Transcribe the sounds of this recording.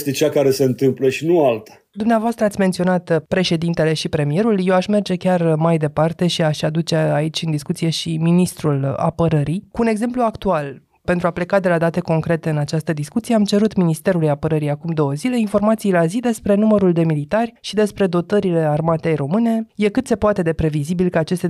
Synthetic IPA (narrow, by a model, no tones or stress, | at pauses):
st̪et͡ʃakaɾe̞seɨnt̪ɨmpleʃinualt̪ḁ | d̪umneavoast̪ɾəat̪sʲme̞nt̪sio̞nat̪pɾe̞ʃe̞d̪int̪e̞le̞ʃipɾe̞mije̞ɾulje̞waʃme̞rd͡ʒe̞kʲarmajd̪e̞part̪e̞ʃiaʃad̪ut͡ʃeait͡ʃʲɨnd̪iskut̪sije̞ʃiminist̪ɾula̰pəɾəɾijkuːne̞ɡze̞mpluakt̪ual | pe̞nt̪ɾuaple̞kad̪e̞lad̪at̪e̞ko̞ŋkɾe̞t̪e̞ɨnat͡ʃast̪əd̪iskut̪sije̞amt͡ʃe̞ɾut̪minist̪e̞ɾulujapəɾəɾijakumd̪o̞wəzile̞informat̪sijlazid̪e̞spɾe̞numəɾuld̪e̞milit̪arʲʃid̪e̞spɾe̞d̪o̞t̪əɾile̞armat̪ejɾo̞mɨne̞je̞kɨt̪se̞poat̪e̞d̪e̞pɾe̞vizibilkəat͡ʃe̞st̪e